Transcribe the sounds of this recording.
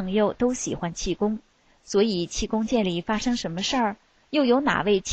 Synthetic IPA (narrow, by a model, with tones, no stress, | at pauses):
ŋjo˥˩ʊt̪o˥ʊɕi˨˩xwa˥nt͡ɕʰi˥˩kʊ˥ŋ | swɔ˧˥i˨˩t͡ɕʰi˥˩kʊ˥ŋt͡ɕjɛ˥˩nli˨˩fa˥ʂɤ˥ŋʂə˧˥nmə˧ʂə˥˩ | jo˥˩ʊjo˧˥ʊna̰˨˩we˥˩ɪt͡ɕʰ